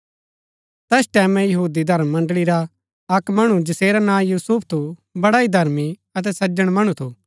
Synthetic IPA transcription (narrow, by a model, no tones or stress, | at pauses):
t̪ɛsʈɛːmɛ̃jɐɦuːd̪id̪ʱɐɾəmːɐ̃ɳɖɭiɾa | ɐkmɐɽ̃ud͡ʒɐseːɾanãːjuːsupʰt̪ʰubɐɽaid̪ʱɐɾmiɐt̪̬ɛsɐd͡ʒəɽ̃mɐɽ̃ut̪ʰuː